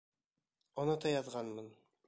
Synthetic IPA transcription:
onɑt̪ɑjɑðʁɑnmɤn

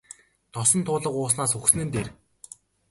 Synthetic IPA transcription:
t̪ʰɔsɞ̆nt̪ʰʊːɮə̆qʊːs̬naːsɵxs̆nɘ̆nt̪eːr

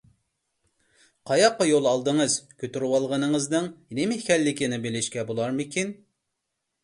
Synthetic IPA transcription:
qʰɑjɑqːɑjolˠɑlˠd̪ɨŋəzkʲʰøt̪yɾwɑlˠʁənɨŋəznɨŋnemɪhkʲɛlːɪkʲinɪbelɪʃkʲɛbolˠɑɾmɪkʲʰin

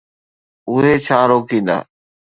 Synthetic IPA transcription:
ʊɦet͡ʃʰaːɾoːkĩːnd̪a̰ː

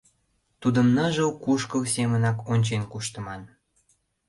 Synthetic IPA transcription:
t̪ud̪əmnəʒəukuʃkəlsemənɑkonʲt͡ɕenkuʃt̪ə̆mɑn

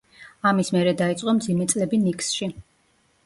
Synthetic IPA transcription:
amismɛɾɛd̪ait̪sʼqʼɔmd̪zimɛt̪sʼlɛbinikʼsʃi

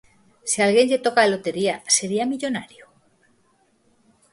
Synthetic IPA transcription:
sialɣje̞ɲʎet̪okaelot̪e̞ɾiase̞ɾiamiʎonaɾjo

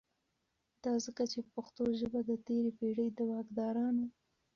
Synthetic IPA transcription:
d̪ɑzəkat͡ʃepəxt̪oʒəbad̪ət̪eɾepeɽəjd̪əwɑɡd̪ɑɾɑno

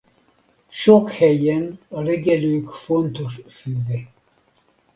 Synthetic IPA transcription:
ʃokhɛjɛnərɛɡɛlykfont̪ʰoʃfyːvɛ

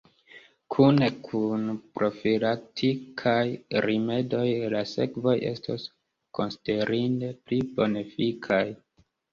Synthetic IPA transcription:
kʰunekʰunpɾo̞filatʰikʰajɾime̞do̞jlase̞̰kvo̞je̞̰stʰos | ko̞nside̞ɾinde̞plibo̞nefikʰaj

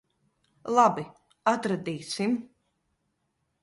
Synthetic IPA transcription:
lˠabi | at̪ɾad̪iːsim

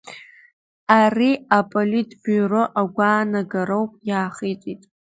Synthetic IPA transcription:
ariapʼolitʼbyroʔaɡʷaːnaɡaɾowpʼjaːχijt͡sʼitʼ

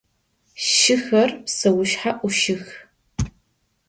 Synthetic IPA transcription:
ʃɪxɐrsɐwʊʃħaʔʷʊʃɪx

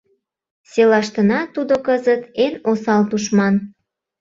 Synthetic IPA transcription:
selɑʃt̪ənɑt̪ud̪okəzət̪enosɑlt̪uʃmɑn

